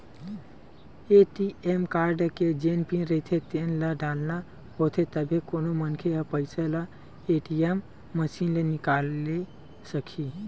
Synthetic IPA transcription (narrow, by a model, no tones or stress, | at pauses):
eʈiemkaɾɖked͡ʒenpĩnɾet̪ʰet̪enləɖalna | ɦot̪ʰet̪əbʱekonomənkʰeɦəpəɪsela | eʈiemː | əsinlenikale | səkʰi